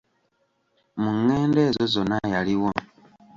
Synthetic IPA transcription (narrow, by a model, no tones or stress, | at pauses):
muŋːeːnde̞ːzo̞zo̞najaliwo